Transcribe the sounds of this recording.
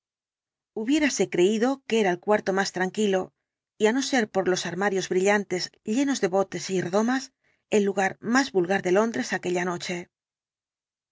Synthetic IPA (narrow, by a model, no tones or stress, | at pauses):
uβje̞ɾase̞kɾe̞iðo̞keeɾaelkwaɾt̪o̞mast̪ɾaŋkilo̞ | iano̞se̞ɾpo̞ɾlo̞saɾmaɾjo̞zβɾiʎant̪e̞zʎe̞no̞zðe̞βo̞t̪e̞sireðo̞mas | e̞lːuɣ̞aɾmazβulɣaɾðe̞lo̞nd̪ɾe̞sake̞ʎano̞t͡ʃe̞